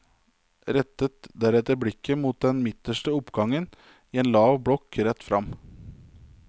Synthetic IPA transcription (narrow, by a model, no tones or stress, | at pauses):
ɾɛt̪ːət̪d̪æɾɛt̪əɾbɽɪkːəmuːt̪̚d̪ɛnmɪt̪əʂʈəʊpɡɑŋən | iːeːnlɑːʋbɽɔkɾɛt̪ːfɾɑm